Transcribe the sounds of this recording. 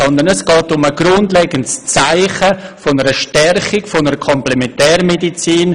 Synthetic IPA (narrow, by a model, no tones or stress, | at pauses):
ɔnd̪ənəsɡ̥ɑːtʊməɡ̥ɾʊndlɛɡəntst͡saɪχəfonəɾəʃtɛrχikfonəɾəkʰɔmplɛmɛntɛːɾmɛdit͡siːn